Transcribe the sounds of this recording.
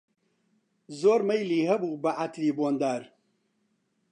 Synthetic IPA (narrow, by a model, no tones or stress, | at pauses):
zoːɾmɐjliːɦɐbuːbɐʔat̪ʰɾiːboːnd̪aːɾ